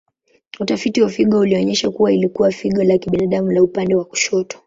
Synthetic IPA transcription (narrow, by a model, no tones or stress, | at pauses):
utafitiwafiɠɔuliɔɲɛʃakuwailikuwafiɠɔlakiɓinaɗamulaupandɛwaku̥ʃɔtɔ̥